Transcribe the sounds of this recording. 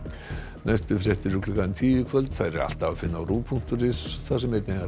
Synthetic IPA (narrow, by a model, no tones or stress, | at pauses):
najst̪ʏfɾjɛht̪ɪɾʏkʰlʏkant̪ʰiːjɪkʰvœlt̪θaðɾɛɾa̰l̥t̪aafɪnːawɾuːpʰuŋ̥t̪ʏɾɪsθasɛmejt̪neɣa